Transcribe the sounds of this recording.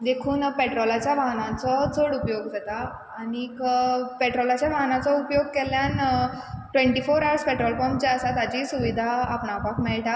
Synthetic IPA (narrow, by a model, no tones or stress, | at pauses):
d̪ekʰuːnpeʈɾɔlat͡ɕjaʋaɦnãnt͡sɔt͡səɽupjoɡd͡zat̪aː | ɽ̃ikpeʈɾɔlat͡ɕjaʋaɦnat͡sɔupjoɡ̚kɛljan | ʈʋẽɳʈifoɾaʋəɾspɛʈɾɔlfɔmd͡ʑeəsat̪ad͡ʑisuʋid̪ʱaːpɳapakmɛɭʈa